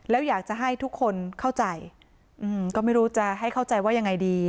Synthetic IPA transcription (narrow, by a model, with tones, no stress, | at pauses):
lɛː˦˥wjaː˨˩k̚t͡ɕa˨˩ɦa˥˩jt̪ʰu˦˥kʰːo˧nkʰa˥˩wt͡ɕa˧j | ʔɯː˧mkɔː˥˩ma˥˩jɾuː˦˥t͡ɕa˨˩ɦa˥˩jkʰa˥˩wt͡ɕa˧jwaː˥˩ja˧ŋːa˧jdiː˧